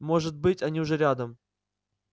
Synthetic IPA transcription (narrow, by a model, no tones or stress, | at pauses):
mo̞ʐɨt̪̚bɨtʲanʲiʊʐɛɾʲad̪əm